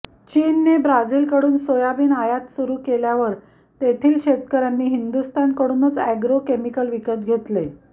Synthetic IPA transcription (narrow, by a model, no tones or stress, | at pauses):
t͡ɕiːnːebɾad͡ziːlkəɽuːnsojabiːnajat̪suɾuːkeljaʋəɾ | t̪et̪ʰiːlɕet̪kəɾjanːiːɦind̪ust̪ankəɽuːnət͡sæɡɾokemikəlʋikət̪̚ɡʱet̪le